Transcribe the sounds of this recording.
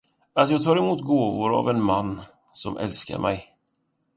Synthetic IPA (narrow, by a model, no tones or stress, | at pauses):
at̪jɑːɡt̪ʰɑːɾɛmuːt̪ɡoːvʊɾa̰vɛnmanː | sɔmʔɛ̰lska̰ɾmʔɛj